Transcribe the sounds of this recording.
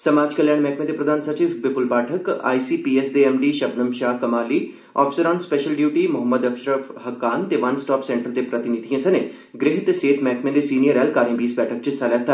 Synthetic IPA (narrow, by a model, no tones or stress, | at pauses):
səmaːd͡ʒkəljaːɽ̃mɛːkʰmẽd̪eːpɾəd̪ʱaːnsət͡ʃiːfbɪpʊlpaːʈʰəka̰ːisiːpiːesd̪eɛːmɖiːʃɐbnəmʃaːkɐmaːliː | ɔ̰ːpʰisəɾaːnspɛʃəlɖjuːʈiːmʊɦəmːəd̪əpʰʃɾəfɦəkːaːnt̪eːʋɐnsʈaːpsɛ̃ːɳʈəɾd̪eːpɾət̪ɪnid̪ʱiãsɐneː | ɡɾɪɦɪt̪seːt̪mɛːkʰmẽːd̪esiːnijəɾɛːlkaːɾĩbiːsbɛːʈʰək̚t͡ʃəsalɛːt̪a